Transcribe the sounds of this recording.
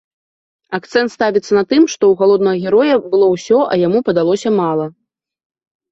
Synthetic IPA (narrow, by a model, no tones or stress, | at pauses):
ak̚t̪sɛnt̪st̪avʲit̪sːɐnɐt̪ɨmʂt̪ɔwɣalˠɔd̪nɐɣɐɣʲɛɾɔjɐbɨlˠɔwsʲɔʔɐjamupɐd̪alˠɔsʲɐmalˠɐ